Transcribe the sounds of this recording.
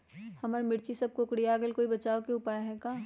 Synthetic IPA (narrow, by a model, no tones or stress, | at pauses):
hɐmaːɾmɪɽt͡ʃisɐb̚kokɽijaːɡəlkoːibɐt͡ʃaːokeʊpaːjɦɛ̃kaː